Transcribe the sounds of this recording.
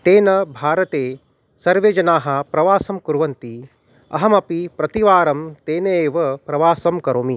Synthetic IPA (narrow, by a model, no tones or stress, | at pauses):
t̪eːnɐbʱaːɾɐt̪eː | sɐɾʋeːd͡ʒɐnaːɦɐ̆pɾɐʋaːsɐmkuɾʋɐnt̪i | ɐ̰ɦɐmɐpipɾɐt̪iʋaːɾɐmt̪eːnɐeːʋɐpɾɐʋaːsɐmkɐɾoːmi